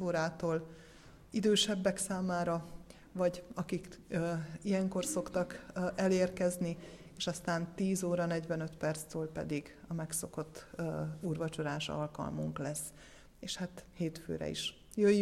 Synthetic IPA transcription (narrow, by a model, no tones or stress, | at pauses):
oːɾaːt̪oːl | id̪øːʃɛbːɛksaːmaːɾɒ | vɒɟɒkikː | ijɛŋko̞rso̞kt̪ɒkʔɛleːrkɛzni | eːʃɒst̪aːnt̪iːzoːɾɒnɛɟʋɛnø̞t̪pɛrt̪st̪øːlpɛ̰d̪iɡ | ɒmɛksoko̞t̪ːuːrvɒt͡ʃoɾaːʃɒ̰lkɒ̰lmuŋklɛsː | eːʃhat̪heːt̪fø̰ːɾɛ̰ḭʃ | jøj